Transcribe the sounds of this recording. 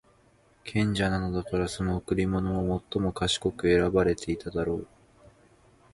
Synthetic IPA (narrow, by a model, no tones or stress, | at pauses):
kʰẽ̞ɲ̟d͡ʑanano̞d̪akaɾaso̞nookɯ̟ɾʲimo̞no̞ːmo̞t̪ːo̞mo̞kaɕi̥ko̞kɯ̟e̞ɾabaɾe̞t̪ʰe̞it̪ad̪aɾo̞ː